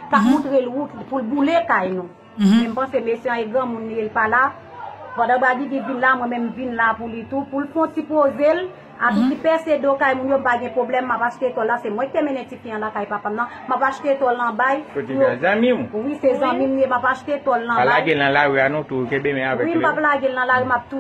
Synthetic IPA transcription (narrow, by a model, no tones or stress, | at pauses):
kakmɔ̃t̪ʁelutpulbulekajnũ | mɛ̃m̩pãsemesɛãeɡʁɐ̃mũnːũjelpala | pãd̪ãbaɡiɡivinlamwɛ̃mɛ̃mvinlapulit̪upulfɔ̃tipozel | atitipɛsedokajmũnjom̩paɡɛ̃pʁoblɛmːapaʃt̪et̪ɔlːasemw̃ɛ̃ki̥t̪emɛ̃nɛ̃tikĩãlakajpapamnã | mapaʃt̪et̪ɔlnɐ̃bajjozãmĩm̃wisezãmĩmnemapaʃt̪et̪ɔlnãpalaɡelnãlaɣianũt̪utebemɛ̃avɛwim̩paplaɡelnɐ̃laɣimap̚t̪u